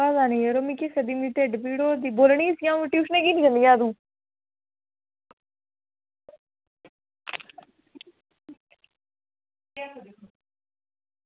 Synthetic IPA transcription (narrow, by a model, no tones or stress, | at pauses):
azaːnĩːeɾomĩːkesəd̪iːmiʈeːɖpiːɽoːd̪iːboːlɳiːsjãːɪʈjuːʃnẽːkiːniːd͡ʒənd̪ijãːd̪ũː